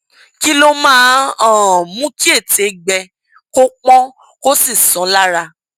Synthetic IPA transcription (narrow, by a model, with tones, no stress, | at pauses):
ki˦lo˦mãː˦ɔ̃˦˨mũ˦ki˦e˦˨te˨˦ɡ͡bɛ˧ | ko˦k͡pɔ̃˦ | ko˦si˦˨sɔ̃˨˦la˦ɾa˧